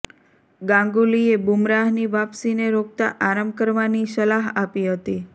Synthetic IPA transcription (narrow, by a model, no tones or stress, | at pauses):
ɡãŋɡuliebumɾaɦniʋapsineɾok̚t̪aʔaɾəmb̚kəɾʋanisəlaɦapiɦət̪i